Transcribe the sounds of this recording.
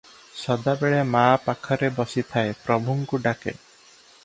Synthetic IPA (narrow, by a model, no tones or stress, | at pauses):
sɔd̪abeɭemaːpakʰɔɾebɔsit̪ʰaepɾɔbʱuŋkuɖakḛ